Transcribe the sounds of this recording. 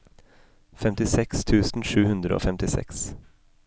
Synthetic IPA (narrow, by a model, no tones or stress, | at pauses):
fɛmt̪ɪsɛkst̪ʰʉːsn̩ʂʉːhʉnd̪ɾəo̰ːfɛmt̪ɪsɛ̰ks